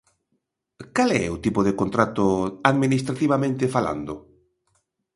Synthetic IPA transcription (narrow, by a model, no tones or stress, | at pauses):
kalɛ̰ʊt̪ipʊðekont̪ɾat̪ʊaðminist̪ɾat̪iβamẽnt̪ɪfala̰nd̪ʊ